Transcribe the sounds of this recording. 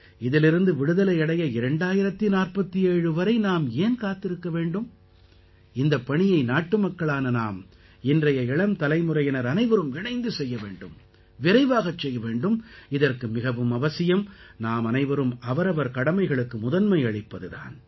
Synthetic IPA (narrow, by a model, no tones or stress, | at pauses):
ɪðɪlɪɾɯnd̪ɯʋɪɽɯðɐlɐɪɐɽɐjɐɪɾɐɳɖaːjɪɾɐt̪ːinaːrpɐt̪ːieːɻɯʋɐɾɐɪnaːmeːnkaːt̪ːɪɾɯkːɐʋeːɳɖɯm | ɪnd̪ɐpːɐɳɪjɐɪnaːʈːɯmɐkːɐɭaːnɐnaːm | ɪndrɐjɐɪɭɐmt̪ɐlɐɪmɯrɐjɛnɐɾɐnɐɪʋɐɾɯmɪɳɐɪnd̪ɯsɛjːɐʋḛːɳɖɯ̰m | ʋɪɾɐɪʋaːɣɐt͡ʃːɛjːɐʋeːɳɖɯmɪðɐrkɯmɪɣɐʋɯmɐʋɐsɪjɐmnaːmɐnɐɪʋɐɾɯmɐʋɐɾɐʋɐɾkɐɽɐmɐɪɣɐɭɯkːɯmʊðɐnmɐɪɐɭɪpːɐðɯða̰ːn